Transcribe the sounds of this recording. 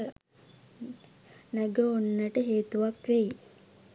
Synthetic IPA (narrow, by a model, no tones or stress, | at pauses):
næɡəonːəʈəɦeːt̪uʋakʋeji